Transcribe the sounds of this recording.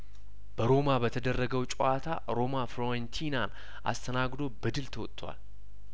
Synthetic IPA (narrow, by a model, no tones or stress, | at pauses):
b̥əɾo̞mabət̪ʰəd̪ərːəɡəwt͡ʃʼoat̪ʰa | ɾo̞mafɾoɛnt̪ʰinan | ʔa̰st̪ʰənaɡd̪o̞bəd̪ɨlt̪ʰəwɔt̪ʰʼːwa̰l